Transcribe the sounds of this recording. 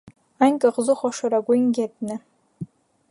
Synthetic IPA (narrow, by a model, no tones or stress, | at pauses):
aŋkʼaqʼzɨχʷaʂaɾaɡʷʊŋɡʲatʼnɨ